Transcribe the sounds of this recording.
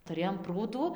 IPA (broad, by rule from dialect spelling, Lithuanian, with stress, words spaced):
tʊˈrʲeːjoːm ˈpruːduː